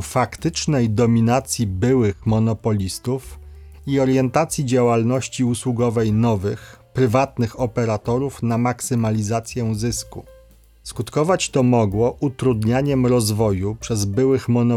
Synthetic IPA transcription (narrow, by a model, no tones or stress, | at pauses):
fakt̪ɘt͡ʂnɛjd̪ɔmʲinat̪sʲjibɘwɘxmɔnɔpɔlʲist̪uf | iɔɾjɛnt̪at̪sʲjid͡ʑawalnɔɕt͡ɕiuswuɡɔvɛjnɔvɘxpɾɘvat̪nɘxɔpɛɾat̪ɔɾufnamaksɘmalʲizat̪sʲjɛzɘskṵ | skut̪kɔvat͡ɕt̪ɔmɔɡwɔʔut̪ɾud̪ɲaɲɛmɾɔzvɔjupʂɛzbɘwɘxmɔnɔ